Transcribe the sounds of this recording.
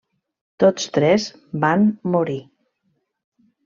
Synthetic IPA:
t̪ot͡st̪ɾɛz | bamːuɾi

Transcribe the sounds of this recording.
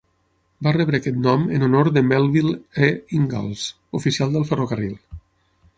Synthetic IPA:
barɛβɾəkɛt̪nɔmənonoɾðəmɛlˠβileiŋɡa̰lˠz̥ | ufisialˠd̪əlˠfərokərilˠ

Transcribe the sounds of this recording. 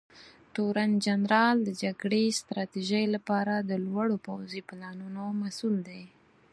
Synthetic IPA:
ʈoɾand͡ʒanɾɑld̪əd͡ʒaɡɽest̪ɾɑt̪iʒəjlapɑɾad̪əlwaɽopawziplɑnunomasuld̪ej

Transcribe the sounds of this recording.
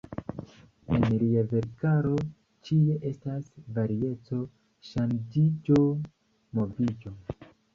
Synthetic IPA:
enliave̞ɾkaɾo̞ | t͡ʃie̞ʔe̞stasvaɾie̞t͡so̞ | ʃand͡ʒid͡ʒo̞ | mo̞vid͡ʒo̞

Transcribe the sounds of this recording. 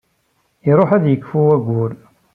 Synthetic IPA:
iɾˤoħæðjəkːfuwæɡʷul

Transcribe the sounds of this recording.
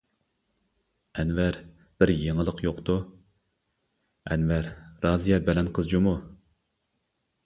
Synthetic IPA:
ɛnvæɾ | b̥ɪɾjeŋəlˠəqʰjoqt̪u | ɛnvæɾɾɑːzijɛɾbɛlɛnqʰəzd͡ʒumu

